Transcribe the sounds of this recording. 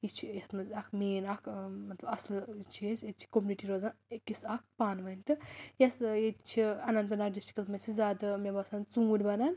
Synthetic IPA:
it͡ʃʰit̪mɐzʲɐkʰmeːnɐkʰmɐt̪lɐbɐslt͡ʃʰijeset̪̚t͡ʃʰi̥komʲuniʈiɾoːzankisɐk̚ʰpaːnʋɐnʲt̪ijɐset̪t͡ʃʰiɐnɐnt̪ɨnak̚ɖisʈi̥kɐlmɐsizaːd̪ɐmʲebasaːnt͡sũɾʲbɐnan

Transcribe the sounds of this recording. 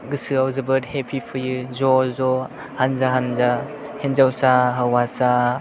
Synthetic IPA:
ɡɯsɯawzɯbɯɾhepʰipʰɯjɯzɔzɔ | hanzaɦanza | henzawsaɦawasa

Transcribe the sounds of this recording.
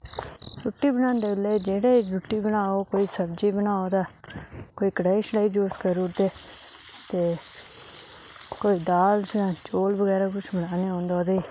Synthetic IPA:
ɾʊʈːiːbəñaːnd̪eːbəleːd͡ʒeːɽeːd͡ʒʊʈːiːbəñaːoːkoːiːsəbd͡ʒiːbənaːoːd̪aːkoːiːkəɽaːiːʃɽaːiːd͡ʒoːskəɾʊːɾd̪eː | t̪eː | koːiːd̪aːlsãːt͡ʃoːlbəɡɛːɾaːkʊt͡ʃʰbəɽaːneːɦõːnd̪aːd̪eː

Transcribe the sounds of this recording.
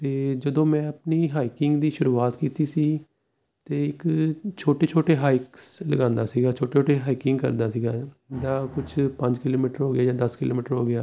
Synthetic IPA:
t̪eːd͡ʒəd̪õːmɛ̃ːəpniːɦaːikɪŋɡd̪iːʃʊɾuːaːt̪kiːt̪iːsiː | t̪eːɪkt͡ʃʰoːʈeːt͡ʃʰoːʈeːɦaːɪksləɡãːnd̪aːsiːɡaːt͡ʃʰoːʈeːt͡ʃʰoːʈeːɦaːikɪŋɡkə̰ɾd̪aːsiːɡaː | d̪aːkʊt͡ʃʰpə̃ɲd͡ʒkɪloːmiːʈəɾɦoːɡɪjaːjaːd̪əskɪlo̰ːmiːʈəɾɦoːɡɪjaː

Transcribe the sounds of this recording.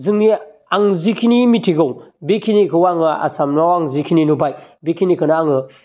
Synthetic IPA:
zɯŋni | aŋzikʰinimitʰiɡɯwbekʰinikʰɯwaŋɯa̰samnawaŋzikʰininubaj | bekʰinikʰɯnaːŋɯ

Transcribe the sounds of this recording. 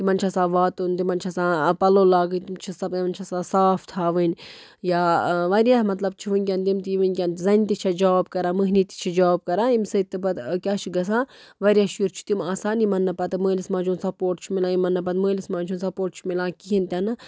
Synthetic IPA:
t̪imɐnʲt͡ʃʰɐsãːʋaːt̪unt̪imɐnʲt͡ʃʰɐsãːpɐloːlaːɡɨnʲt̪imt͡ʃʰisɐbiʋɐnʲt͡ʃʰasãːsaːft̪ʰaːʋɨnʲ | jaːʋɐɾijaːmɐt̪lɐb̚t͡ʃʰiʋɨnʲkʲɐnt̪imt̪ijiʋɨnʲkʲɐnt̪zɐnʲt̪it͡ʃʰɐd͡ʒaːbkɐɾãːməɦniːt̪i̥t͡ʃʰid͡ʒaːb̚kɐɾaːimsɨt̪ːɐbɐt̪kʲaːt͡ʃʰiɡɐsãː | ʋɐɾijaːʃjuɾt͡ʃʰu̥t̪imaːsaːnimɐnːɐpɐt̪ɨməːlismãːt͡ʃʰunsɐpoːɾʈ̚t͡ʃʰimilãːimɐnːɐpɐt̪məːlismãːt͡ʃʰuːnsɐpoːɾʈ̚t͡ʃʰi̥milãːkiɦint̪ʲɐnɨ

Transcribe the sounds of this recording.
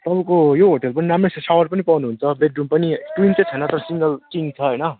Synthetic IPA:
t̪ʌbʌ̃kojoɦoʈelpʌninamressawʌrpʌnipawnuɦunt͡sʰʌbeɖrumpʌniʈwint͡sʌt͡sʰʌjnʌt̪ʌɾʌsiŋɡʌlt͡siŋt͡sʰʌɦʌjnʌ

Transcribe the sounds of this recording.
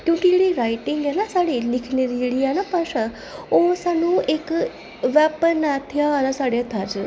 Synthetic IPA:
kjũːkiɽiɾajʈiŋɡjanasaɽilikʰneɾiɽijanapaʂa | osanuek | ʋapənat̪ʰjaːlasaɽjat̪ʰad͡ʒ

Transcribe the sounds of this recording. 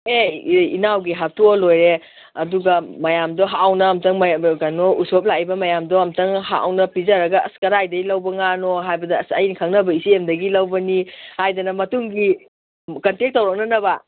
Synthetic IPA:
eḭnawɡiɦap̚tolojɾe | ɐduɡɐmɐjamdoɦawnɐːmtɐŋmɡanousop̚laibɐmɐjamdoɐmtɐŋɦa̰a̰wnɐpizɐɾɐɡɐɐskɐɾajdɐilɐwbɐŋanoɦajbɐdɐːsɐjinkʰɐŋnɐbɐisiemdɐɡilɐwbɐnihajdɐnɐmɐtuŋɡi | kɐntek̚tːɐwɾak̚nɐnɐbɐ

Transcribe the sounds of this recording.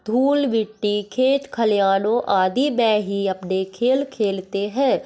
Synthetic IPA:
d̪ʱuːlʋɪʈːiːkʰeːt͡ʃ̪kʰəljaːnoːʔaːd̪iːmɛ̃ːɦiːəpneːkʰeːlkʰeːlt̪eɦɛ̃ː

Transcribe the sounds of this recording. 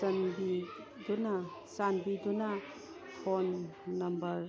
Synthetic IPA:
sɐnbi | dunasanbidunɐ | pʰonːɐmbɐɾ

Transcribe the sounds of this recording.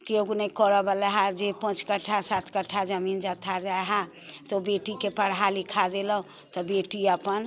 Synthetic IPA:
keoɡunekɔɾəbəlɛɦãd͡ʒepə̃t͡ʃkəʈʰːasat̪ʰkəʈʰːad͡ʒəmind͡ʒat̪ʰad͡ʒaɦã | t̪obeʈikepəɽɦalikʰad̪eləɦ | t̪ɔbeʈiapən

